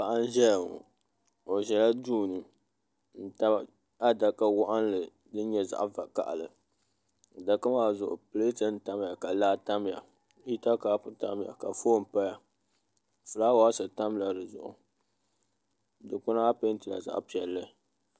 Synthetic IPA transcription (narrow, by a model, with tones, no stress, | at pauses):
pa˨ʔa˦n˦ʒɛ˦lŋɔ̰˨ | o˨ʒɛ˨la˦duː˦nɨ˨ | n̩˦ta˦b | a˦da˨ka˦wʊ˦ʔa˦n˦lɨ˨ | dɨ˦ɲɛ˦za̰˨ʔva˨ka̰˨ʔlɨ˨ | da˨ka˦maː˦zʊ˨ʔʊ˨pɨ˨le˦tɨ˦n̩˦ta˦m˦ja˨ka˨laː˦ta˦m˦ja̰˨ | i˦ta˦kaː˦pʊ˨ta˦mja̰˨ka˨foː˦m̩˨pa˦ja˨ | fɨ˨laː˦wa˦sɨ˨ta˦m˦la˨dɨ˨zʊ̰˨ʔʊ̰˨ | dɨ˨kʊ˦na˦a˦pe˦n˦tɨ˨la̰˨za̰˨ʔpi˨ɛ˨lːɨ˦